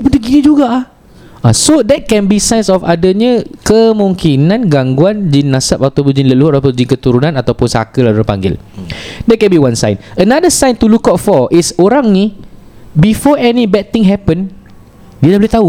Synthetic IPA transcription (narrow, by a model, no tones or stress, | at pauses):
bundəɡinid͡ʒuɡa | asodɛt̚kɛ̃nbisãjnsɔfa̰daɲãkəmũŋkinãnɡaŋɡuand͡ʒinːãsapat̪awpʊnd͡ʒinləluhaɾap̬əd͡ʒinkət̪uɾunãnat̪awpʊnsa̰kəlaluɾapa̰ŋɡɪ̰ldɛt̚kɛ̃nbiwãnsã̰jnənadəsãjnt̪ulukatfɔʔisoɾãŋni | bifɔɛnibɛd̚t̪ĩŋɦɛpə̃n | didahboliht̪au